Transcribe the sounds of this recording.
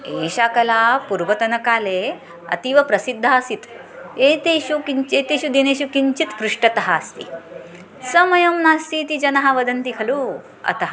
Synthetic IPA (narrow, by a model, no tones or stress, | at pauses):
eːʃaːkɐlaːpuɾʋɐt̪ɐnɐkaːle | ɐ̰t̪iʋɐpɾɐsid̪ʱːaːsit̪ | eːt̪eːɕukiɲt͡ʃeːt̪eʃud̪ineːɕukiɲt͡ʃit̪pɾuʂʈɐt̪ɐɦaːst̪ḭ | sɐmɐjɐmnaːst̪iːt̪id͡ʒɐnɐɦaʋɐd̪ɐnt̪ikʰɐlu | ɐ̰t̪ɐɦɐ